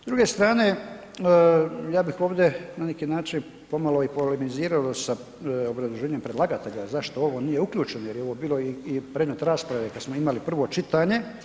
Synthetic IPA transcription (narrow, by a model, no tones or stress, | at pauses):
zd̪ɾuɡe̞st̪ɾaːne̞ | jaːbixo̞ːʋd̪enanekiːnaːt͡ʃin | po̞malo̞ipolemiziːɾalosa | obɾazuʒe̞ːɲempɾe̞d̪lˠaːɡat̪eʎazaʃt̪o̞o̞ʋo̞niːje̞ukʎuːt͡ʃenoje̞ɾjeo̞ʋo̞ːbiːloiipɾed̪met̪ɾaːspɾaʋe̞kad̪smoimalipr̩ʋo̞t͡ʃit̪aːɲe̞